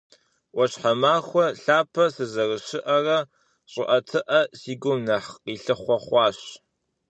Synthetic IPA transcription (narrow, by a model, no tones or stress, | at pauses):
wɐɕħɐmaːxʷɔɬaːpʰɐsɨzɐrɨɕɪʔɐrɐ | ɕʼɪʔɐtʰɨʔɐsiːɡʷʊmnɐħiːɬɨχʷɔχʷɑːɕ